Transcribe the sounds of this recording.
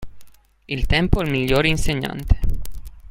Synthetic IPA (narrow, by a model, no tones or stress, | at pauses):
ilt̪ɛmpoɛlmiʎːoːɾeinseɲːa̰nt̪ʰe̥